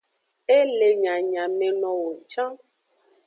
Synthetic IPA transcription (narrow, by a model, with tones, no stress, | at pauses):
e˦le˨ɲã˨ɲã˨mɛ̃˨nɔ̃˨wo˨t͡ʃã˦